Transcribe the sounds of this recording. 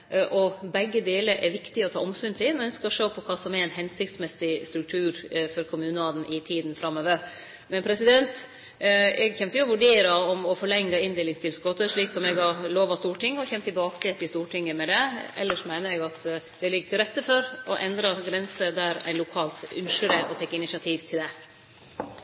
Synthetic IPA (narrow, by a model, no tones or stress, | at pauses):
ʔɔbɛɡːəd̪eːləɾʔɛɾʋɪkt̪ɪɔt̪ʰɑ̰ːʔɔmsʉnt̪ʰɪnɔœnskəɔʂøːpʰɔkʰɑːsɔmɛɾæɪnɦɛnsɪkt̪smɛsɪst̪ɾʉk̚t̪ʰʉːɾfɔɾkʰʊmʉːnəɑːd̪n̩ʔɪt̪ʰiːd̪n̩fɾɑmøːʋə | mɛnpʰɾɛsɪd̪ɛnt̪ | ɛɡçɛmt̪əjʊɔʋʉɖeːɾɑɔmɔfɔɭɛŋːɑɪnd̪ɪːlɪŋst̪ʰɪlsɡɔt̪ːəʂɭiːksɔmɛɡɑɾɭoːʋɑst̪uːʈɪŋːɔçɛmt̪ʰːɪlbɑːkət̪ʰɪlst̪uːʈʰɪŋːəmɛd̪ɛɛ̰lːəʂmæɪnəɾɛɡɑt̪d̪̥ɛlɪɡːəʈ̪ʰɪlɾɛt̪ːəfɔɾɔʔɛnd̪ɾɑɾɡɾɛnsəd̪æɾæ̰ɪnlʊkʰɑːlt̪ʉ̰nʂəɾəʔɔt̪ʰɛkːɪnɪsɪɑt̪ʰiːʋt̪ʰɪld̪ɛ